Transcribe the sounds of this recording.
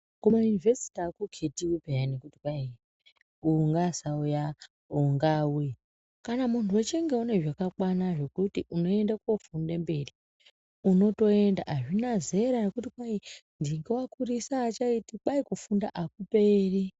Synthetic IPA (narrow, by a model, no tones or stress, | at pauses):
kumajunivesi̥takukʰetiwupejanekutikwai | uŋɡasauja | uŋɡau | kanamuntʰuwot͡ʃeŋɡe̞une̞ʐakakwanaʐe̞kutiʔuno̞e̞ndakofundembe̞ri | uno̞to̞e̞nda̰ʔaʐinaze̞ɾanekutikwaindiŋɡewakurisaːt͡ʃaitiɓaikufunda̰ʔakupeːri